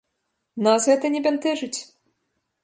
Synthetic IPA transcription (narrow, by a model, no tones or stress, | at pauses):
nasɣɛt̪ɐnʲɛbʲɛnt̪ɛʐɨt͡sʲ